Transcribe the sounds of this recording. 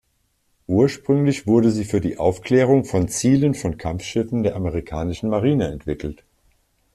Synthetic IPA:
ʔuːɐʃpʁ̥ʏŋlɪçv̥ʊɐdəziːfyːɐdḭːʔaʊfklɛːʁ̞ʊŋfɔnt͡siːlənfɔnkʰamfʃɪfn̩deːɐʔaməʁ̞ikʰaːnɪʃn̩maʁ̞iːnəɛntv̥ɪkl̩t

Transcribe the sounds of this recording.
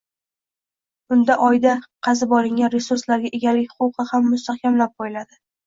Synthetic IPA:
ʊnd̪aʔɒjd̪aqʰɑzɪbɒɾɪŋʲanɾesuɾslaɾɡʲaʔe̞ɡʲalɪkʲχʊqɨhamːʊst̪ʰahkʲamlap̚bojlad̪ɪ

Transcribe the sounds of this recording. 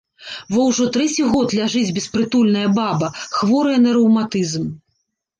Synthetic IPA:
vɔwʐɔt̪ɾɛt͡sʲiɣɔt̪lʲaʐɨd͡zʲbʲɛspɾɨt̪ulʲnɐjɐbabɐxvɔɾɨjɐnɐɾɐwmat̪ɨzm

